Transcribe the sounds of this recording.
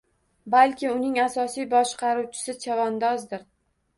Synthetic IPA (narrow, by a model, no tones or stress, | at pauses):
balkʲɪʊnɪŋasɒsijbɒʃqɑɾuwt͡ʃʰɪ̥sɪt͡ʃʰavɒnd̪ɒzd̪ɪɾ